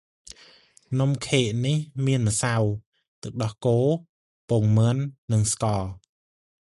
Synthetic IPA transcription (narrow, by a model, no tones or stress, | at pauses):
nomkʰeːʔnihmiənməsaw | t̪ɨwɗɑhkoː | poŋmɨənːɨŋskɑːl